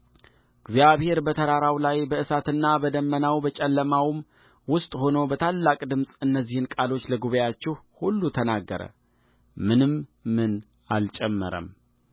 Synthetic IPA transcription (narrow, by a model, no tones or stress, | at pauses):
ɡzjaβhe̞ɾbət̪ʰəɾaɾawlajbəɨsat̪ɨnːabəd̪əmːənawbət͡ʃʼɛlːəmawɨm | wʊst̪ʼho̞no̞bət̪ʰalːakʼd̪ɨmsʼɨnːəzːihɨnkʼalo̞t͡ʃːləɡuβəjat͡ʃːɪhhulːut̪ʰənaɡːə̰ɾə̰ | mɨnɨmmɨn | a̰lt͡ʃʼɛmːə̰ɾə̰m